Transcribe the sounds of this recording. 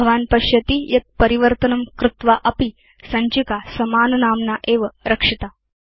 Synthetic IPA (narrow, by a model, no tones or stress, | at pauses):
ɐʋaːnpɐɕjɐt̪ijɐt̪̚pɐɾiʋəɾt̪ənɐmkɾut̪ʋaʔɐpi | sɐɲt͡ɕikasɐmaːnɐnaːmnaʔeːʋəɾɐkʂit̪a